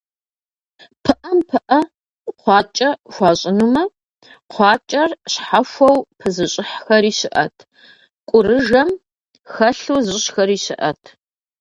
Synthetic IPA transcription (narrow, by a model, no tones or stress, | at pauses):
pʰɨʔɐmpʰɨʔɐ | qʷɑːt͡ʃʼɐxʷɑːɕʼɪnumɐ | qʷɑːt͡ʃʼɐrɕħafʷɐwpʰɨzɨɕʼɪħxɐɾiːɕɪʔɐ̰tʰ | kʷʼʊrɨʒɐm | xɐɬuzʼɪɕxɐriːɕɪʔɐ̰tʰ